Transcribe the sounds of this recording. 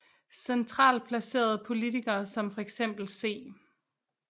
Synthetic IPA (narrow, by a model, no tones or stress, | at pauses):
sent͡sʰʁɑ̰̈ːlpʰlæse̝̰ːɐð̞ˠəpʰo̝lit͡sʰiɡ̥ɐːsɒ̽mfɒ̽eɡ̥sem̰b̥l̩se̝̰ː